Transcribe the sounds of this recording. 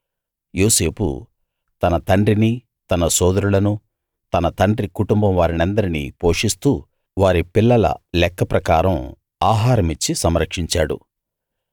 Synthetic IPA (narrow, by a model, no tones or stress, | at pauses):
joːse̞ːpṵ | t̪ɐnɐt̪ɐɳɖɾini | t̪ɐnɐsɔːd̪ɐɾulɐnu | t̪ɐnɐt̪ɐɳɖrikuʈumbɐmʋaːɾinɐnd̪ɐɾinḭpo̞ːʂist̪uː | ʋaːɾipilːɐlɐ̰lɛkːɐpɾɐkaːɾɐm | aːɦaːɾɐmit͡ʃːisɐmɾɐkʂiɲt͡ʃaːɽṵ